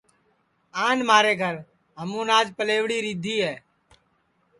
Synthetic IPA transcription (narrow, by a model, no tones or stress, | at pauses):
aːnmaːɾeːɡʱəɾ | ɦəmũːnaːd͡ʒpəleːʋɽiːɾiːd̪ʱiːɦɛː